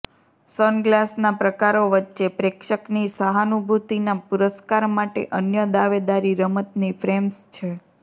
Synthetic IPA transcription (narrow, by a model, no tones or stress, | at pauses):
sənɡlasnapɾəkaɾoʋətːʃepɾekʃəknisaɦanubʱut̪inapuɾəskaɾmaʈḛʔənjəd̪aʋed̪aɾiɾəmət̪nifʰɾemst͡ʃʰe